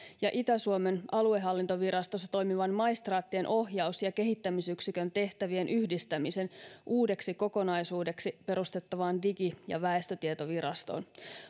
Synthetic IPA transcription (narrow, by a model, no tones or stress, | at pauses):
jɑʔit̪æsuome̞nɑlueɦɑlːint̪oʋiɾɑst̪osːɑ̥t̪o̞jmiʋɑnmɑist̪rɑːt̪ːienʔo̞ɦjɑusjɑke̞ɦit̪ːæmisyksikønt̪e̞ht̪æʋie̞nʔyhdist̪æmise̞nʔuːde̞ksiko̞ko̞nɑisuːdeksipe̞ɾust̪e̞t̪ːɑʋɑːndikijɑ̰ʋæe̞st̪øt̪iet̪o̞ʋiɾɑst̪o̰ːn